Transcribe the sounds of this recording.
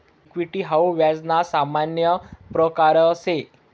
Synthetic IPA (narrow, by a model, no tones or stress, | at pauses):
kʋiʈiːɦawʋjad͡znasamanjəpɾəkaɾəːse